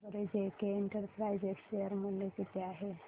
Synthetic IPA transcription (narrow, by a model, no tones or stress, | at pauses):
əɾed͡ʑekeeɳʈəɾpɾajd͡ʑeʈʃejəɾməljekit̪ʰeaɦe